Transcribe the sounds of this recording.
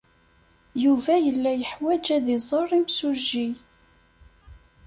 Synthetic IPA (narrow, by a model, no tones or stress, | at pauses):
juvæjəlːæjəħwæd͡ʒæðɪzˤərˤːimsuʒːi